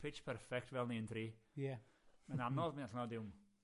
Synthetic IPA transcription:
pʰɪt͡ʃpʰɛrfɛk̚tvɛlˠniəndʰriːjɛmɛnamnɔðminaɬnɔdɪwm

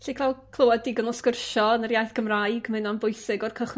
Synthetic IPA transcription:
ɬikʰlalˠkʰlˠowadiɡɔnɔskərʃɔnərjajθɡ̥əmrajɡmɨnɔnbʊjsɪɡɔrkʰəχ

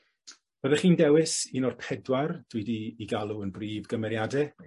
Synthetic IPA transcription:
b̥əðɛχiːndɛwɪsinɔrpʰɛdward̥widiːɡalˠuənbriːvɡəmɛɾjadɛ

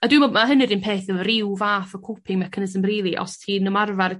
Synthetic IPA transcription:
adwɨmɔmaɦənɨdɪnpʰeːθɛlˠrɪwvaːθɔkʰupʰɪŋmakʰənəzəmriːlˠiʔɔ̰stʰiːnəmarvar

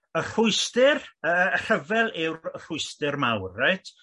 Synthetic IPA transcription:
ər̥ʊɨstɪrər̥əvɛlˠɪwər̥ʊjstɪrmawrːaɨtʰ

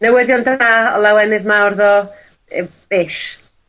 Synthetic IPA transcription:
nɛwɪðjɔndaaɔ̰lˠɛwɛnɨðmawrðɔ | əb̥ɪʃ

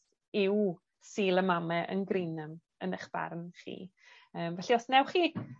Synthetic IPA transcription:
ɪw | siːlˠəmamɛʔə̰nɡrɪnəm | ənəχb̥a̰rnχḭː | əːmvɛɬiɔsnɛwχiː

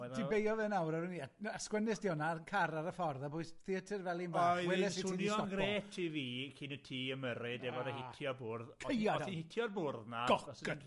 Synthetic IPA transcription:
ɛtʰibejɔðɛnawɾaɾuniːaaskwənɪsd̥iɔnaənkʰaɾaɾəfɔrðabʊɨsθɪətʰərvɛlˠinbajwɛðɛssiʊinjɔɔnɡreːtʰːiviːkʰinətʰiːəməɾɪdɛvɔdahɪtʰjɔbʊrðkʰɔəjadinhɪtʰjɔrbʊrðnḁɔɔskn

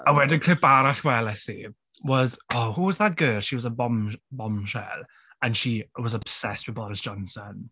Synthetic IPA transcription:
əwɛdənkʰr̥ɪpaɾaɬwɛlɛsḭ | wɔzɔhuwɔzðət̚ɡ̥ɜːlˠʃiwɔzəbɔmbɔmʃɛ̰l | ə̃nʃiwɔzab̥sɛstb̥ɪbɔɾɪsʒ̥ɔ̃nsən

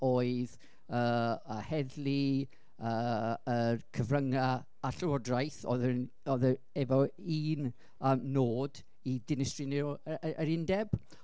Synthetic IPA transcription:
oːɨð | əːəhɛðlˠi | əːərkʰəvrəŋa | aɬəwɔdrajθɔ̰ðn | ɔðə | ɛvɔiːn | əːmnoːd | idɪnɪstrinɛwəɾɪndɛb̥

